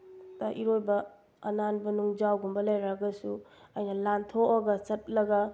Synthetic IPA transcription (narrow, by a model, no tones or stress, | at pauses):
tɐʔiɾojbɐ | ɐnanbɐnuŋd͡ʒawɡumbɐlajɾaɡɐsu | ɐjnɐlantʰoʔaɡɐt͡ʃɐt̚lɐɡɐ